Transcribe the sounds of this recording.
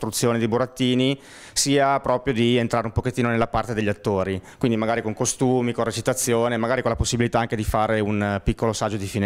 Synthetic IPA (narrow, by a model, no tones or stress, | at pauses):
t̪ɾut̪sːjoːned̪ejbuɾat̪ːiːni | siːapɾɔːpɾjod̪ient̪ɾaːɾeumpoket̪ːiːnonelːapart̪ed̪eʎːat̪ːoːɾikwind̪imaɡaːɾikoŋkost̪uːmikonret͡ʃit̪at̪sːjoːnemaɡaːɾikonlaposːibilit̪aaŋked̪ifaːɾeunpikːolosad͡ʒːod̪ifin